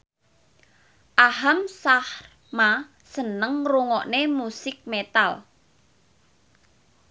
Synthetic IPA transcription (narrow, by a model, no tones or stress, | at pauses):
ʔaɦamsahr | ma | sənəŋruŋɔʔnemusɪk̚met̪al